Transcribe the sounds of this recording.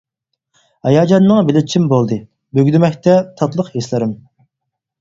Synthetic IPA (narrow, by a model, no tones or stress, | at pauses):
hɛjɑːd͡ʒɑnːɨŋbɪlɪt͡ʃʰimbolˠd̪ɨ | bøɡʲd̪ɪmɛkʲt̪ʰɛt̪ʰɑt̪lˠəqheslɪɾɪm